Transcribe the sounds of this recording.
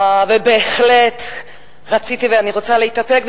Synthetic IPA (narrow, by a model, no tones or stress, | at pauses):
avebeːχle̞t | ʁat͡sitiveaniʁo̞t͡saleitape̞kb